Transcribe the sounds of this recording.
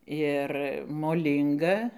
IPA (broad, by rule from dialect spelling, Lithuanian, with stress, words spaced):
ˈɪr moːˈlʲiːŋɡɐ